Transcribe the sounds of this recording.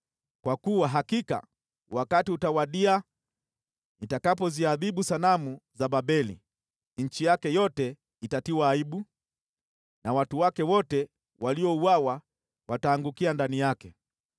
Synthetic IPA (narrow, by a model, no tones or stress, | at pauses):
kwakuwaɦakika̰ | wakatiutawaɗia | nitakapɔziaðiɓusalamuzaɓaɓɛlḭ | ɲ̩t͡ʃijakɛjɔtɛ | itatiwaːiɓu | nawatuwakɛwɔtɛ | waliɔuawa | wataːŋɡukiandanijakɛ